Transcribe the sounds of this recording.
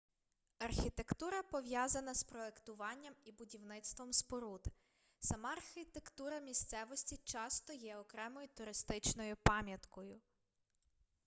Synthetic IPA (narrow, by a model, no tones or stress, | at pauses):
ɐrxʲit̪e̞kt̪uɾɐpɔʋjɑzɐnɐspɾɔe̞kt̪ʊʋɑnʲːɐmibʊdʲiwnɪt̪st̪ʋɔmspɔɾud̪ | sɐmɑɑɐrxʲɪt̪ekt̪uɾɐmʲist̪sɛʋɔsʲtʲit͡ʃɑst̪ɔjɛɔkɾɛmɔjʊt̪ʊɾɪst̪ɪt͡ʃnɔjʊpɑmʲjɐt̪kɔjʊ